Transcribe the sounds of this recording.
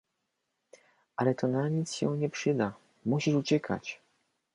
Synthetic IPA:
ʔalɛt̪ɔnaɲit̪sɕɛ̰̃w̃ɲɛpʂɘd̪a | muɕiʂut͡ɕɛkʰa̰t͡ɕ

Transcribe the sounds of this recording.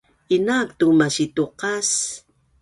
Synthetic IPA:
inakt̪umaʃit̪uqas

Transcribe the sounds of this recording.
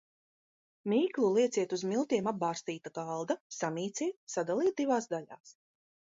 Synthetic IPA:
mʲiːklˠulˠiɛt̪siɛt̪uzmilˠt̪ʲiɛmab̚baːst̪iːt̪aɡalˠd̪asamʲiːt̪sʲiːt̪sad̪alˠiːt̪̚d̪ivaːsd̪aʎʲa̰ːs

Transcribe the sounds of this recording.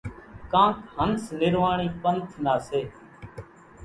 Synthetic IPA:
kãːkhənsnɪɾʋaːɳiːpənt̪ʰnaːseː

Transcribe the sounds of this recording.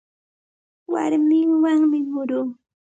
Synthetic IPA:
wa̰ɾmɪŋwaŋmɪmʊɾuː

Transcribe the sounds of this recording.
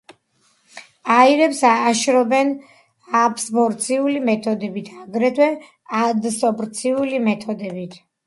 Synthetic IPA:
aiɾɛpsaːʃɾɔbɛn | apʰsbɔɾt̪sʰiulimɛt̪ʰɔd̪ɛbit̪ʰaɡɾɛt̪ʰwɛ | ad̪sɔbɾt̪sʰiulimɛt̪ʰɔd̪ɛbit̪ʰ

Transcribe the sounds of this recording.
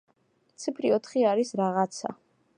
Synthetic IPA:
t̪sʰipʰɾiɔt̪ʰχiaɾisɾaʁat̪sʰa̰

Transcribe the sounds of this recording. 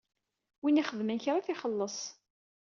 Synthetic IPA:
winiχəðmənçɾaθiχəlːəsˤ

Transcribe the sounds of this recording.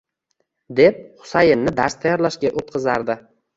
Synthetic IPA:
d̪ep̚χʊ̥sajɪnːɪd̪aɾst̪ʰajɒɾlaʃɡʲaʔot̪qʰɨza̰ɾd̪ɪ

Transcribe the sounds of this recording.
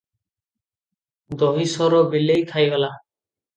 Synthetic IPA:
d̪ɔɦisɔɾɔbilejt̪ʰajɡala

